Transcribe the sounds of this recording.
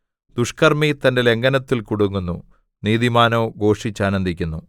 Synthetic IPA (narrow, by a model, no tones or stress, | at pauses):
d̪̥uʂkɐrmit̪ɐnde̞le̞ŋɡɐnɐt̪ːilkuɽuŋːunːṵ | niːðimaːnoːɡo̞ːʂit͡ɕːaːnɐnd̪ikʲːunːu